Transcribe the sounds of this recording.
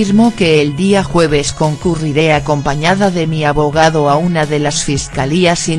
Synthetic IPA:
iɾmoke̞ːld̪iaxwe̞β̞e̞sko̞ŋkuriɾe̞ako̞mpaɲaðaðe̞miaβo̞ɣ̞aðo̞aunaðe̞lasfiskaliasi

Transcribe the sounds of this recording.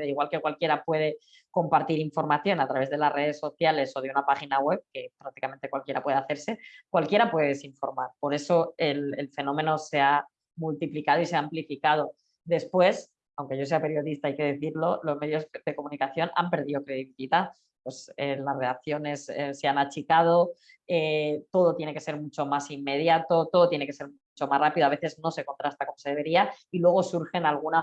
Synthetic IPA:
ðeiɣwalke̞kwalkje̞ɾapwe̞ð̞e̞ | ko̞mpaɾt̪iɾiɱfo̞ɾmaθjo̞nat̪ɾaβezð̞e̞lasre̞ð̞e̞sːo̞θjale̞so̞ðeunapaxinaɣwe̞β̚ke̞pɾak̚t̪ikament̪e̞kwalkje̞ɾapwe̞ð̞eaθe̞ɾse̞kwalkje̞ɾapweðeesiɱfo̞ɾmaɾpo̞ɾe̞so̞elelfenõ̞mẽ̞no̞se̞a | mult̪iplikað̞o̞iseamplifikað̞o̞ | d̪e̞spwe̞s | awŋke̞ʝo̞s̬e̞ape̞ɾjo̞ðist̪aajke̞ð̞e̞θiɾlo̞lo̞zme̞ðjo̞zðe̞komũnikaθjo̞na̰mpe̞ɾðiðo̞kɾe̞ðiβiθit̪a | pwe̞selazre̞aθjo̞ne̞sḛseanat͡ʃikað̞o̞ | et̪o̞ð̞o̞t̪je̞ne̞ke̞se̞ɾmut͡ʃo̞masimːe̞ð̞jat̪o̞t̪oðo̞t̪jeneke̞seɾmut͡ʃo̞masrapiðoaβeθe̞zno̞se̞ko̞nt̪ɾast̪ako̞mo̞se̞ðee̞ɾiailwe̞ɣ̞o̞suɾxe̞nalɣ̞una

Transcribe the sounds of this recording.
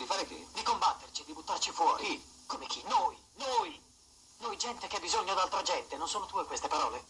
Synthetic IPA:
d̪ifaːɾek̪ḭd̪ikombat̪ːert͡ʃid̪ibut̪ːart͡ʃifwɔːɾikomek̟ʰinoj | noj | nojd͡ʒɛnt̪ekeabizoɲːod̪alt̪ɾad͡ʒɛnt̪enonsoːnot̪uːekwest̪epaɾɔːle

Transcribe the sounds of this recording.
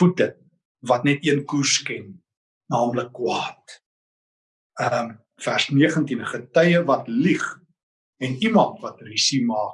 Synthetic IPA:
futə | vɐtnɛtiənkurskɛnː | ɑːmləkːwɑːt̚ | əm | færsniəχəntinχətəjəvɐtliχ | ɛnimɐntvɐtrisimɑːk

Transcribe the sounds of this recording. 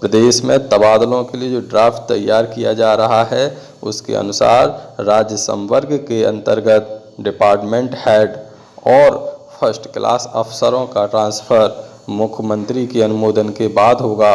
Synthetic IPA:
pɾəd̪eːʃmẽt̪əbaːd̪əlõkelied͡ʒoːɖɾaːpʰʈ̪t̪ːɐjːaːɾkijad͡ʒaːɾɐɦaɦɛ | ʊ̰skḛə̰nʊsa̰ːɾɾaːd͡ʒjəsə̰̃mʋəɾɡkeɐ̰̃nt̪əɾɡət̪̚ | ɖɪpaːɾʈmẽɳʈhɛːɖ | ɔːɾpʰəɾsʈklʔa̰ːsəpʰsəɾõkaʈɾãːnspʰəɾ | mʊkʰjmə̃nt̪ɾikeɐnʊmoːd̪ənkebaːd̪ʱɦoːɡaː

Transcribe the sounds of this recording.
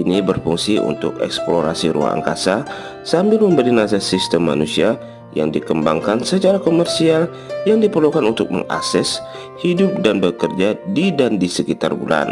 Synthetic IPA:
ʔinibərfuŋsiṵnt̪ʊ̰kɛ̰ksploɾa̰siɾṵa̰ŋa̰ŋka̰sa | sambɪlməmbəɾinas̬asist̪əmːa̰nusia | ja̰ŋdikəmba̰ŋkansət͡ʃaɾakomɛrsial | jaŋdipərlukanunt̪ʊk̚mə̰ŋa̰ksɛs | hidʊp̚danbəkərd͡ʒadidandisəkit̪a̰rbṵlʔa̰n

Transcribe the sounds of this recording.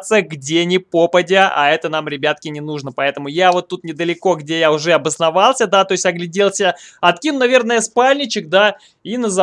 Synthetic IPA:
t̪səɡdʲenʲɪpo̞pədʲəa̰ɛt̪ən̪amɾʲɪbʲat̪̚kʲɪnʲɪnuʐnəpɐɛt̪əmʊjavo̞t̪ːut̪nʲɪd̪əlʲɪko̞ɡdʲe̞jaʊʐɛɐbəsnɐvɑlˠsʲəd̪at̪o̞ɪsʲtʲɐɡlʲɪdʲe̞lˠsʲəɐt̪kʲinʊnɐvʲe̞rnəjəspalʲnʲɪt͡ɕɪk̚d̪a | inəzɐ

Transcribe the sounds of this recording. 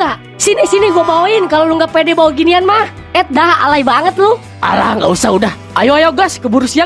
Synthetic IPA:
a | sinisiniɡuabawainkaloluŋɡapɛdɛbawaɡinianmah | ɛt̪̚daɦa̰laibaŋət̪lu | a̰la̰hŋɡa̰usaudah | ʔajuajaɡaskəbuɾusia

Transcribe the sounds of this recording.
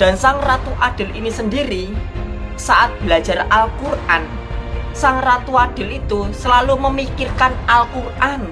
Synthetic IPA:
d̪̥a̤nsaŋrat̪uʔad̥ɪ̤linisəndiɾi | saʔat̪̚b̥ilḁd͡ʒ̥a̤ralkurʔan | saŋrat̪uad̥ɪ̤lit̪usəlaluməmikirkanalkurʔan

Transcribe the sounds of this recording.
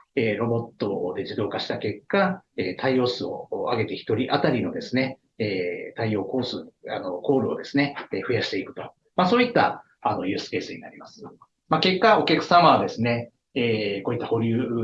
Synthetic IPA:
eːɾo̞bo̞t̪ːo̞d̪e̞d͡ʑid̪o̞ːkaɕi̥t̪ake̞kːaeːt̪ʰaio̞ːsɨo̞aɡe̞t̪e̞çi̥t̪o̞ɾʲiʔat̪aɾʲino̞d̪e̞sɨne̞ | eːt̪aio̞ːko̞ːsɨano̞ko̞ːɾɯ̟o̞̰d̪e̞sɨne̞eɸɯ̟jaɕi̥t̪e̞ikɯ̟t̪o̞̥ | masoːit̪ːa̰ | ano̞jɯ̟ːsɨ̥ke̞ːsɨɲ̟ina̰ɾʲimasɨ̥ | make̞kːao̞kʲakɯ̟̥sãmaβad̪e̞sɨne̞ | eːko̞ːit̪ːaho̞ɾʲɯ̟ː

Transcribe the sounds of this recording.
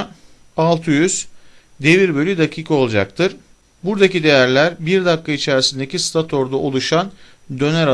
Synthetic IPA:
alˠt̪ʰɯjyz̥ | d̪e̞viɾbø̞lʲyd̪acʰiːkʰo̞lˠd͡ʒa̰k̚t̪ʰɯɾ̥ | buɾd̪acid̪e̞jæɾlʲæɾbiɾd̪akːait͡ʃʰæɾisind̪e̞cist̪ʰat̪ʰo̞ɾd̪ao̞lˠuʃan | d̪ø̞næɾa

